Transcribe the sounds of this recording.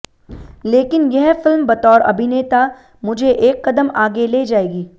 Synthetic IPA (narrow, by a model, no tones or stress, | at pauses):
leːkɪnjɛɦfɪlmbɐt̪ɔːɾɐ̰bʱɪneːt̪a | mʊd͡ʒʱeʔeːkːɐd̪əmaːɡeleːd͡ʒaːeːɡiː